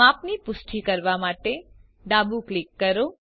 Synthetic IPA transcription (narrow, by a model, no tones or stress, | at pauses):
apnipʊsʈʰikəɾʋamaʈe | ɖabuklikːəɾo